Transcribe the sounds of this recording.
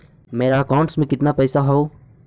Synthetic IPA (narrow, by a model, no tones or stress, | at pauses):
meːɾaəkaːʊ̃ɳʈsmẽkɪt̪napɛːsaɦoː